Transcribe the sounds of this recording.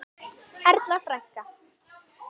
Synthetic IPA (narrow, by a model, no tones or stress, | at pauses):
ɛɾt̪lafɾajhka